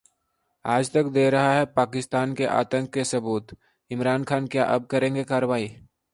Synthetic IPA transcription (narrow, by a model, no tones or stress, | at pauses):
aːd͡ʒt̪ɐkd̪eːɾɐɦaɦɛpaːkɪst̪aːnkeʔa̰ːt̪ə̃ŋkːesɐbuːt̪ | ɪmɾaːnkʰaːnkjaːʔɐb̚kɐɾẽːŋɡekaːɾəʋaːiː